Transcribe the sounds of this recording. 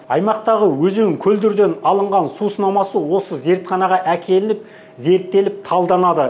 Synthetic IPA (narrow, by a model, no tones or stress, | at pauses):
ɑjmɑq̚t̪ɑʁəwɵzeɪŋkʲʰɵld̪ɪɾd̪e̞nɑlˠəɴʁɑnsusənɑmɑsəwo̞səze̞ɾt̪χɑnɑʁɑʔækʲʰe̞lɪnɪp̚ | ze̞ɾt̪ːe̞lɪp̚t̪ʰɑlˠd̪ɑnɑd̪ə